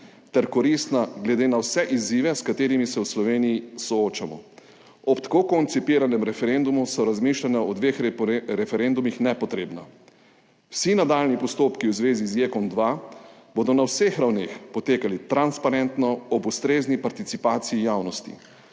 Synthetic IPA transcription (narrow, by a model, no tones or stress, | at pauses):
t̪ɛɾkɔɾist̪naɡlɛd̪eːnawsɛʔiziːʋɛskat̪eːɾimisɛwslɔʋeːniːsɔoːt͡ʃamɔ̰ | ɔpt̪ḁkokɔnt̪sipiːɾanɛmɾɛfɛɾend̪umusɔɾazmiːʃlanaɔd̪ʋeːxɾɛfɛɾend̪umixnɛpɔt̪ɾeːbna̰ | wsinad̪aːlnipɔst̪oːpkiwzʋeːzizjekɔnd̪ʋabod̪ɔnawsexɾawneːxpɔt̪eːkalit̪ɾanspaɾɛnt̪nɔɔbust̪ɾeːznipaɾt̪it̪sipaːt̪sijijawnɔst̪ḭ